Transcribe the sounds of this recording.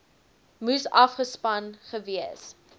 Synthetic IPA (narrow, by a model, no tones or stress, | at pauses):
musɐfχəspɐnχəviəs